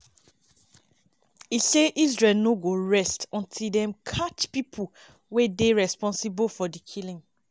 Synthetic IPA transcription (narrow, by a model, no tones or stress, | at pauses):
iseʔizɹɛlnoɡoɹɛstɔ̃ntʰildɛ̃mkʰat͡ʃpipʰu | wedeɹɛspɔ̃nsibofɔdikʰilĩŋ